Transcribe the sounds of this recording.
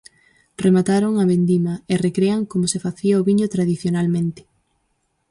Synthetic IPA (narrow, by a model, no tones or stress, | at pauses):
remat̪aɾoŋaβend̪imɐerekɾeaŋkomʊsefaθiaoβiɲot̪ɾaðiθjonalmẽnt̪ɪ̥